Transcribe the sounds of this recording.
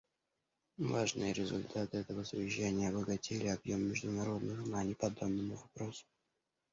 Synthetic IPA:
vaʐnɨjəɾʲɪzʊ̰lʲt̪ʰat̪ɨɛt̪əvəsʊvʲɪɕːænʲɪjəɐbəɡɐtʲelʲɪɐbjo̞mːʲɪʐd̪ʊnɐɾo̞d̪nɨxnanʲɪpɐd̪obnəmʊvɐpɾo̞sʊ̥

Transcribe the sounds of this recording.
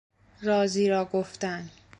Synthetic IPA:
ɾɒːziːɾɒːɡoft̪æn

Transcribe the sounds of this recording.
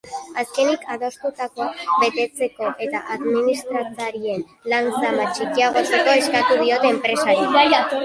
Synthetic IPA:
aske̞nikʰaðo̞st̪ut̪ako̞aβe̞t̪e̞t͡se̞ko̞ʔe̞t̪aʔaðminist̪ɾat͡saɾie̞n | lant͡samat͡ʃikiaɣ̞o̞t͡se̞ko̞e̞skat̪uð̞io̞t̪e̞ːmpɾe̞saɾij

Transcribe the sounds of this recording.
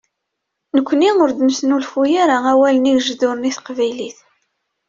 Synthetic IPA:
nəkʷːniʊɾd̪əmsnulfujaɾaæwæləniʝʒðʊɾniθqvæjliθ

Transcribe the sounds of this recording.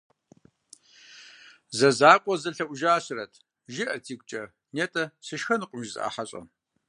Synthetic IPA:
zɐzaːkʷʼɔzɐɬɐʔʷwʷʒaːɕɨrɐtʰ | ʒɪʔɐtʰiːkʷt͡ʃʼɐ | neːtʼɐsɨʃxɐnɨqʷʼʊmʒz̰ʔa̰ːħaɕʼɐ̰

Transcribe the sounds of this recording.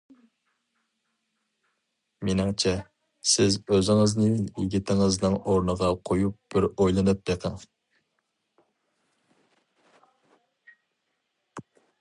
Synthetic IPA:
mɪnɪŋt͡ʃʰɛ | sɪzøzɪŋɨznɨjiɡʲit̪ʰɪŋɨznɨŋoɾnəʁɑqʰojup̚b̥ɪɾojlˠɨnɨp̚d̪eqʰəŋ

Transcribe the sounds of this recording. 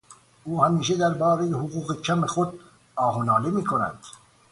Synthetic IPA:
ʔuːhæmiːʃed̪æɾbɒːɾejehoɣuːɣecʰæmexod̪̚ | ɒːɦonɒːlemiːkʰonæ̰nd̪̥

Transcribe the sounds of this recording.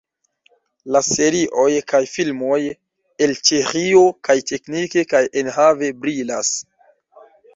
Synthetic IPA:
lase̞ɾiʔo̞jkajfilmo̞j | e̞lt͡ʃeɾio̞kajtʰe̞knike̞kajʔenhave̞bɾilas

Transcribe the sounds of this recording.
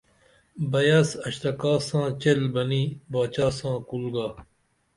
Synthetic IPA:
bɐjaːsɐɕt̪ɐkaːsãːt͡ɕelbɐniːbaːt͡ɕaːsãːkulɡaː

